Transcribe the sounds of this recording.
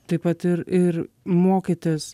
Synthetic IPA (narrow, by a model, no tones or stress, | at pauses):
t̪ɐɪpɐt̪ɪɾɪɾ | moːkʲit̪ʲɪs